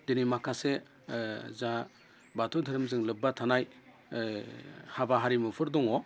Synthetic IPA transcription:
denimakʰase | za | batʰudʰʱɯɾɯmzɯŋlɯbatʰanaj | habaɦaɾimɯpʰɯɾdɔŋɔ

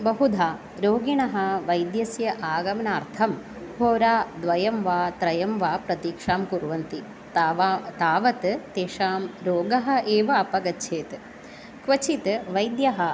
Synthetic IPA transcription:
bɐɦud̪ʱaː | ɾoːɡiɳɐɦɐ̆ʋɐjd̪jɐsjɐʔaːɡɐmɐnaːɾt̪ʰɐm | ɦoːɾaːd̪ʋɐjɐmʋaːt̪ɾɐjɐmʋaːpɾɐt̪iːkʂaːmkuɾʋɐnt̪i | t̪aːʋɐt̪t̪eːʂaːmɾoːɡɐɦɐ̆ʔeːʋɐːpɐɡɐtːʃʰeːt̪ | kʋɐt͡ʃit̪ʋɐjd̪jɐɦɐ̆

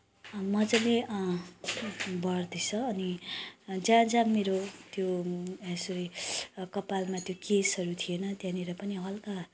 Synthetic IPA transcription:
mʌd͡zʌle | bʌrd̪it͡sʰʌːni | d͡zãd͡zameɾot̪joãsuɾikʌpalmat̪jokesʌɾut̪ʰienʌt̪jãniɾʌpʌniɦʌlka

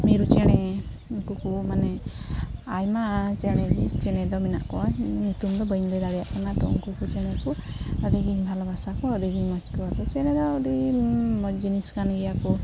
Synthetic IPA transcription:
meɾut͡ʃɛɽ̃ɛ | kukumanɛ | ajmat͡ʃɛɽ̃ɛt͡ʃɛɽ̃ɛd̪ɔmina̰ʔkɔaɲut̪umd̪ɔbəjnlɛd̪aɽijaʔkanat̪ɔṵŋkukut͡ʃɛɽ̃ɛkuəd̪iɡiɲbʱalɔbʱasakɔɔɾiɡiɲmɔt͡ʃkɔakɔt͡ʃɛɽ̃ɛd̪ɔːɾimɔd͡ʒiniskanɡiaku

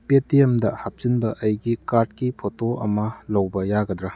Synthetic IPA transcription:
petiemdɐhap̚zinbɐʔɐjɡikaɾd̚kipʰotoɐ̰mɐlɐwbɐjaɡɐd̪ɾa

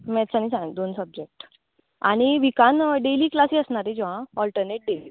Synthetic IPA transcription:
mɛt̪t͡sañisãd̪onsəb̚d͡ʑek̚ʈ | a̰ɽ̃iʋikanɖeliːklasiːəsɳaɾed͡ʑɔʋ̤ãɔlʈəɾneʈ̚ɖeli

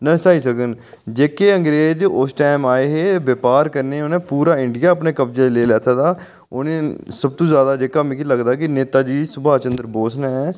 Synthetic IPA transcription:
nə̃saːiːsəkən | d͡ʒeːkeːəŋɡɾeːd͡ʒʊsʈɛːmaːeːɦeːʋəpaːɾkəɾneːʊnẽːpuːɾaːɪɳɖɪjaːəpneːkəpd͡ʒeːd̪leːlɛːt̪ʰaːd̪aː | ʊneːsəb̚t̪õːzjaːd̪aːd͡ʒeːkam̃ːkiləɡd̪aːkɪneːt̪aːd͡ʒiːsʊbaːt͡ʃənd̪əɾboːsnaːɛː

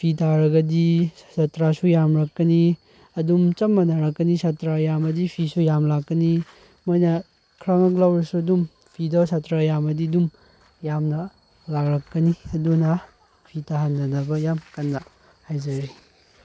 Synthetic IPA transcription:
pʰitaɾɐɡɐdisatɾasujamɾɐkːɐni | ɐdumt͡ʃɐmːɐnɐɾɐkːɐnisatɾajamɐdipʰisujamlakːɐni | mojnɐ | kʰɾaŋɐklawɾɐsuɐdum | pʰidɐsatɾajamɐdiɐdum | jamnɐ | lakɾɐkːɐniɐdunɐ | pʰitahandɐnɐbɐjamkɐnːɐ | hajzɐɾi

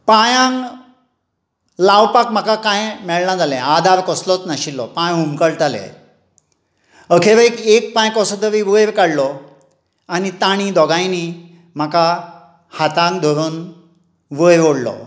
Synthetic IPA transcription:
pãjãŋ | lawpakm̤akakãjmɛɭnad͡zalɛ̃ad̪ʱaɾkɔslɔt͡snaɕilːɔpãjɦumkəɭt̪alḛ | əkʰeʋəikek̚pãjkɔsɔd̪əʋiʋəjʋkaɽlɔ | anit̪aɽ̃id̪ɔɡajni | m̤aka | hat̪ãŋɡd̪ʱoɾuːn | ʋəjʋoɽlɔ̰

